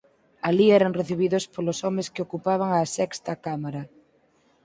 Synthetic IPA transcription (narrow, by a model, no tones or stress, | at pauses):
aliɛɾaŋreθiβ̞iðospolosɔmeskɪokupaβ̞aŋasɛkst̪ɐkamaɾa